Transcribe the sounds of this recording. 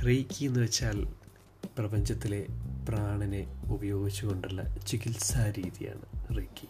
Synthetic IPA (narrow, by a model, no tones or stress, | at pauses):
rejkːijenːuʋet͡ɕːaːl | prɐbɐɲd͡ʑɐt̪ːile̞praːɳɐne̞ubɐjo̞ːɡit͡ɕːuɣo̞ɳɖiɭːɐ̰t͡ɕikilsaːɾiːðija̰ːɳɨrejkːi